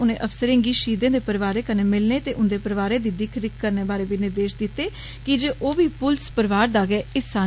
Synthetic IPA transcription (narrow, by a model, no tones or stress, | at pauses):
ʊnḛ̃ːʔəfsəɾẽːŋɡiːʃiːd̪ẽːd̪eːpəɾʋaːɾeːkəneːmɪlneːt̪eːʔʊnd̪eːpəɾʋaːɾẽːd̪ɪd̪iːkʰəɾɪkkəɾneːbaːɾeːbiːnɪɾd̪eːʃd̪ɪt̪ːeː | kɪd͡ʒeːʔoːbiːpʊlspəɾʋaːɾd̪aːɡɛːɪsãː